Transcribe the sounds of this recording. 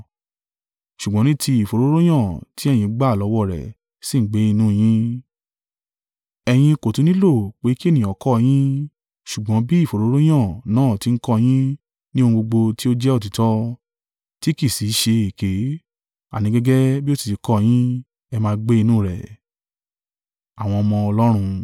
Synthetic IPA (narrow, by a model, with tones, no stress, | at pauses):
ʃu˨ɡ͡bɔ̃˨˦nĩ˦tʰi˧i˨fo˨ɾo˦ɾo˦j̃ã˦˨ti˦ɛ˦˨jĩ˧˦ɡ͡ba˦˨lɔ˨˧˦wɔ˦˨ɾɛ̰˨ | sĩ˦˨ŋ̩˨˦ɡ͡be˨˦i˧nũ˦˨j̃ĩ˦ | ɛ˧j̃ĩ˧ko˨tu˨˦nĩ˦lo˦˨k͡pe˨˦ki˦e˦˨nĩ˨ɔ˨˦kɔ˦˧j̃ĩ˦ | ʃu˨ɡ͡bɔ̃˨˦bi˦˨fo˨ɾo˦ɾo˦j̃ã˦˨nãː˨˦˨ti˨˦ŋ̩˦kɔ˦˧j̃ĩ˦ | nĩ˦o˦˧ũ˧ɡ͡bo˧ɡ͡bo˧ti˦o˦d͡ʒɛ˦o˦˨t̬i˨tɔ˦ | ti˦ki˦˨si˨˦ʃe˧e˨ke˨˦ | a̰˨nĩ˨˦ɡɛ˦ɡɛ˦bi˦o˦si̥˨ti˨˧˦kɔ˦˧j̃ĩ˦ | ɛ˧mãː˧ɡ͡be˦i˧nũ˦˨ɾɛ̰˨ | a˨w̃ɔ̃˧ɔ˧mɔ̃˧ɔ˧lɔ˦ɾ̃ũ˧